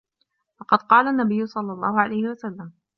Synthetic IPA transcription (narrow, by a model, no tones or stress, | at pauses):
fɑqɑd̪qɑːlaʔnːabɪjːʊsˤɑlːɑlˤːɑːhʊʕalajhɪwasalːam